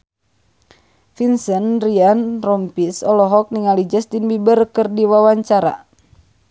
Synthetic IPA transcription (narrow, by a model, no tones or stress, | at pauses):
finsənrianrɔmpisɔlɔɦɔk̚niŋalid͡ʒəst̪inbibərkərdiwawaɲt͡ʃaɾa̰